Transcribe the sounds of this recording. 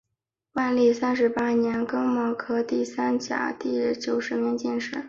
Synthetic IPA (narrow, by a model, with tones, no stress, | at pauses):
wa˥˧nli˥˩sa˥nʂɻ̩˧˥pa˥njɛ˧˥nkɤ˥ŋmɑ˧˥ʊkʰɤ˥t̪i˥˩sa˥nt͡ɕja̰˨˩t̪i˥˩t͡ɕjo˨˩ʊʂɻ̩˧˥mɛ˧˥ŋt͡ɕjɛ˥˧nʂɻ̩˥˩